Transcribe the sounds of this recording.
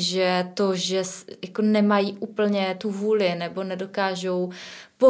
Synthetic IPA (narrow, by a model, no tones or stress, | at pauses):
ʒɛt̪oʒɛsjakonɛmajiːʔuːpl̩ɲɛt̪uvuːlɪnɛbo̞nɛdo̞kaːʒo̞wpo